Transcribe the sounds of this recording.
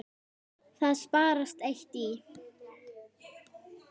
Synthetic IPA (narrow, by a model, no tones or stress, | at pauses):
θaðspaːɾast̪ejht̪i